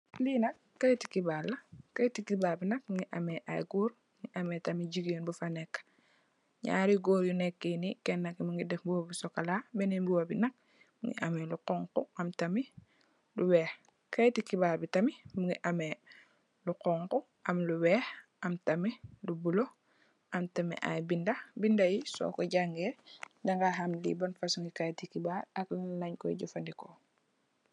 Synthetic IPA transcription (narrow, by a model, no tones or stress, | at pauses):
linɐkːɐjti̥kibalːɐkɐjtikibaːlbinɐk̚miŋɡiʔɐmeʔa̰jɡuːɾmuŋɡiʔɐmetɐmiɟiɡeːnbufanɛkːḁ | ɲa̰ːɾiɡoːɾjunɛkːenikɛnːakːimiŋɡidɛfbuwobisɔkalabɛnimbuwobinɐk̚ | muŋɡḭʔɐmeluqɔŋkuʔɐmtɐmi | luwɛːx | kajtikibaːɾbitɐmimuŋɡiʔame | luqɔŋku | ʔɐmluwɛːxʔɐmtɐmilubulo | ʔɐmtamɛ̰ʔa̰jbindɐbindajisɔ̰kɔɟaŋɡɛdaŋɡaɦamlḭbɐnfasuŋɡikajtikibaɾɐkllɐɲkɔḭɟufɐndikɔ